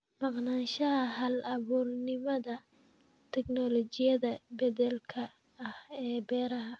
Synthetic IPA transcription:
mɑqnaːnʃɐɦɐɦɐlɐβuːrnɪmɐðɐ | t̪ʰɛknɔlɔt͡ʃɪjɐðɐbɛdɛlkʰɐː | hɛːbɛːɾɐɦɐ

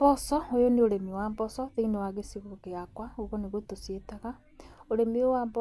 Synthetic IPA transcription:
bɔsɔojoneoɾemiwaːmbɔsɔðeinewaɣesiɣoɣeakwaoɣoneɣotosietaɣa | oɾemiowaːmbɔ

